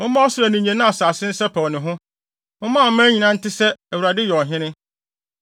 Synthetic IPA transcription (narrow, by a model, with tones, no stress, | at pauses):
ʊ̃˦mã˦ɔ˦sɪ˦ɾa˨nĩ˨ɲæ̃˨nʊ̃˦a˨saː˨sɪ̃˦n̩˦sɛ˦pʰɔ˨wnɪ̃˨ɦʊ̃˦ | ʊ̃˦mã˦˨˦mæ̃ː˦ɲĩ˨nã˦n̩˦tɪ˦sɛ˦æ˨wu˨ɾa˨dɪ˦jɔ˨ɦɪ̃˦nɪ̃˦